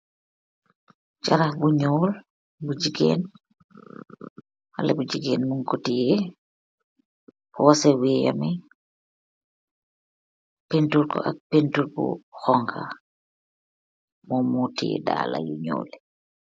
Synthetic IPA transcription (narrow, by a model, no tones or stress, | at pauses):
t͡ʃaɾahbuɲɔːl | bud͡ʒiɡḛːn | ha̰lɛbud͡ʒiɡeːnmuŋkotijɛ | pɔwasɛwija̰mɛ | pentulkɔ̰ʔak̚pentulkɔ̰xɔŋkʰa̰ | mɔmutijɛ̰da̰ːla̰juɲɔ̰ːlɛ